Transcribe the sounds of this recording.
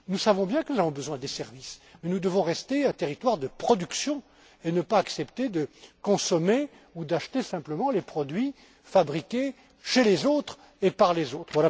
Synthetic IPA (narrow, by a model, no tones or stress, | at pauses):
nusavɔ̃bjɛ̃kənuzavɔ̃bəzwɛ̃d̪esɛʁvismɛnud̪əvɔ̃ʁɛst̪eɛ̃t̪eʁit̪waʁd̪əpχɔd̪yksjɔ̃ | enəpaːksɛpt̪ed̪əkɔ̃sɔme | ud̪aʃt̪esɛ̃pləmɑ̃lepχɔd̪ɥi | fabʁikʲe | ʃelezot̪χ | epaʁlezot̪χvwala